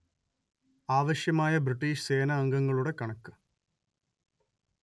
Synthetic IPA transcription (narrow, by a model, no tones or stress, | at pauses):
aːʋɐɕjɐmaːjɐbriʈːiːʂse̞ːnɐːŋɡɐŋːɐɭuɽe̞kɐɳɐkːɨ